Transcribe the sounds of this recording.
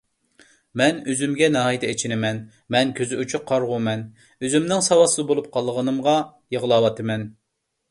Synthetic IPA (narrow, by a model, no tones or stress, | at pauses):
mɛnøzymɡʲɛnɑːjit̪ʰɛet͡ʃʰinɪmɛn | mɛnkʲʰøzɪut͡ʃʰyqʰɑɾʁumɛn | øzymnɪŋsɑwɑsɨzɨbolˠup̚qʰɑlˠːəʁənɨmʁɑ | jəʁlˠɑːwɑt̪ʰɨmɛn